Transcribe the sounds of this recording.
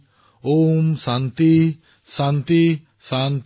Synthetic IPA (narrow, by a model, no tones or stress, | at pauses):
omsant̪i | sant̪i | sant̪